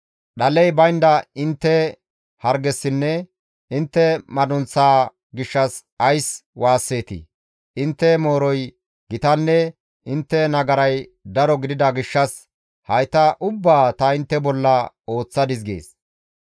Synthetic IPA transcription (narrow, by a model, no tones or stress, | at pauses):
ɗɐlɛjbɐjnd̪ɐɪnt̪ːɛ | hɐɾɡɛsːɪnːɛ | ɪnt̪ːɛmɐd̪ʊnt͡sːaː | ɡɪʃːɐs | ɐjswaːsːe̞ːt̪ɪ̰ | ʔɪnt̪ːɛmo̞ːɾɔj | ɡɪt̪ɐnːɛ | ɪnt̪ːɛnɐɡɐɾɐjd̪ɐɾɔɡɪd̪ɪd̪ɐɡɪʃːɐs | hɐjt̪ɐʔʊbːaːt̪ɐɪnt̪ːɛbɔlːɐ | o̞ːt͡sːɐd̪ɪs̬ɡe̞̰ːs